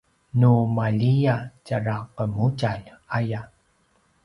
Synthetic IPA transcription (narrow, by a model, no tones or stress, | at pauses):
numaʎijacaɾaqəmucaʎaja